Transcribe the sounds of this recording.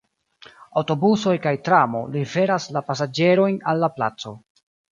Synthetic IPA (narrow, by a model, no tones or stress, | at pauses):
awto̞buso̞jkajtɾamo̞̰life̞ɾaslapas̬ad͡ʒe̞ɾo̞jnalːapla̰t͡so̞